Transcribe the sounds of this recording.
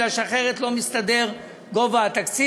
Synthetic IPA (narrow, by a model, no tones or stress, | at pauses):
aʃaχeʁet̪lo̞mist̪ad̪e̞ʁ | ɡovaat̪aksi